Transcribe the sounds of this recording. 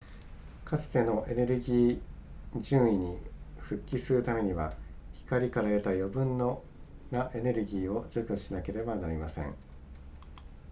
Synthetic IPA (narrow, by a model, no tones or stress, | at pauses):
kʰat͡sɨ̥t̪e̞no̞ʔe̞ne̞ɾɯ̟ɡʲiː | d͡ʑɨ̃ːɰ̃iɲ̟iɸɯ̟kʲːisɨɾɯ̟t̪ame̞ɲ̟iβa̰çi̥kaɾʲikaɾae̞t̪ajo̞bɯ̟̃nːo | naʔe̞ne̞ɾɯ̟ɡʲiːo̞d͡ʑokʲɯɕinake̞ɾe̞banaɾʲimasẽ̞̰ŋ